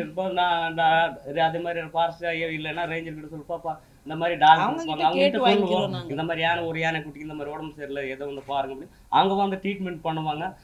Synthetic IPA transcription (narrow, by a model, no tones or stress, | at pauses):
ɪɾɯpːaːnãːɖaɾɐðeːmaːd̪ɾiɾpaːɾsajɐɪlːɐnːaːɾeːɲd͡ʒɐɾkɪʈːɯsɔlːɯpːaːpːaː | ɪnd̪ɐmaːd̪ɾiɖaːɐɐʋaːŋɐʋɐɡɡɐʈːsɔlːɯʋõːɪnd̪ɐmaːd̪ɾiaːnɐɔɾɯaːnekʊʈːɪkʲːɪnd̪ɐmad̪ɾiɔːɽɐmseɾɯlɐɛðɐʋɐnd̪ɯpaːɾɯŋɡɐpɐɽni | ɐ̰ʋɐŋɡɐʋɐnd̪ɯʈɾiːʈmɛɳʈ̚pɐɳːɯʋaːŋɡɐ